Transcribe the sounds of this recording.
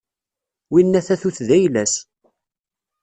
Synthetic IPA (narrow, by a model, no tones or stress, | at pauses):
winːæθæθuθðæjlæs